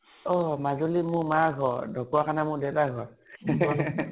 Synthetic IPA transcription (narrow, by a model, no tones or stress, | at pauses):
ɔmazolimʊmaɡʱɔdʱɔkuakʰanamʊɹdɛwtaɡʱɔɹ